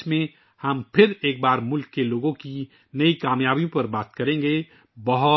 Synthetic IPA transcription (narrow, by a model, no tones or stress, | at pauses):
mẽ | hɐmpʰɪɾeːk̚baːɾmʊlkːeloːɡõki | nɐikaːmjaːbijõpɐɾbaːt̪kɐɾẽŋ̆ɡe | bɐɦʊ